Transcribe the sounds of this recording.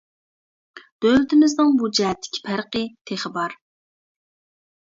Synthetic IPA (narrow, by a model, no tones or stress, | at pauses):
d̪̥øwlɪt̪ʰɪmɪznɨŋbud͡ʒɛɦɛt̪ʰːɪ̥kʲʰi̥pʰæɾqɨt̪ʰeχəbɑɾ